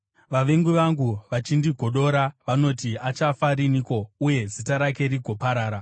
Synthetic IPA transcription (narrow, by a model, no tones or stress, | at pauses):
ʋaʋe̞ŋɡuʋaŋɡuʋat͡ʃindiɡʱo̞ɗo̞ɾaʋano̞tiat͡ʃafaɾiniːko̞uje̞zitaɾake̞ɾiɡʱo̞paɾaːɾa